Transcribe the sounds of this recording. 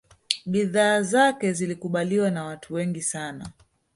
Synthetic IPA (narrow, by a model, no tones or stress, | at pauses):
ɓiðaːzakɛzilikuɓaliwanawatʰuwɛŋɡisana